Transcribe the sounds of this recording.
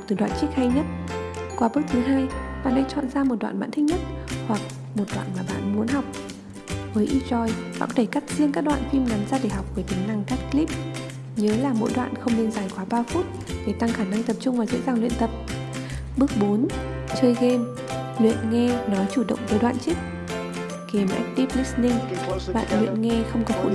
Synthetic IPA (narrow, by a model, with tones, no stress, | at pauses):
k͡pt̪ɨ˨˩ɗwa̰ː˧˨nt͡ɕi˦˥ək̚ha˧jɲə˦˥t̚ | kwaː˨˦ɓɨ˦˥k̚t̪ʰɨ˨˦ɦaː˧jɓa̰ː˧˨nɗa˧˥jt͡ɕɔ̰˧˨nzaː˧mo˨˩t̚ɗwa̰ː˧˨nɓa̰ː˧˨nt̪ʰi˦˥k̚ɲə˦˥t̚hwa˨˩k̚ | mo˨˩t̚ɗwa̰ː˧˨nmaː˨˩ɓa̰ː˧˨nmu˨˦ənɦa˨˩wk͡p̚ | vəː˨˦jʔi˧t͡ɕɔ˧jɓa̰ː˧˨˦ɗe˧˩ka˦˥k̚zi˧əŋkaː˦˥k̚ɗwa̰ː˧˨nt̪i˧mna˨˦mzaː˧ɗe˧˩ɦa˨˩wk͡p̚vəː˧˩t̪ï˨˦ŋna˧ŋkaː˦˥t̚kli˦˥p̚ | ɲəː˨˦laː˨˩mo̰˧˥jɗwa̰ː˧˨nxə˧wŋ͡mnə˧nzaː˧˩jkwaː˨˦ɓaː˧fu˦˥t̚ | ɗe˧˩t̪a˧ŋxaː˧˩na˧ŋt̪ə˨˩p̚t͡ɕʊ˧ŋ͡mvaː˨˩zə̰˧˥zaː˨˩ŋlwḭ˧˨ənt̪ə˨˩p̚ | ɓɨ˦˥ək̚ɓo˨˦n | t͡ɕəː˧jɣe˧m | lwḭ˧˨ənŋɛ˧nɔ˨˦jt͡ɕu˧˩ɗə̰˧˨wŋ͡mvəː˨˦jɗwa̰ː˧˨nt͡ɕi˦˥k̚ | ke˨˩mʔɛ˦˥k̚t̪i˦˥p̚li˦˥snï˧ŋɓa̰ː˧˨nlwḭ˧˨ənŋɛ˧xə˧wŋ͡mkɔ˨˦fṵ˧˨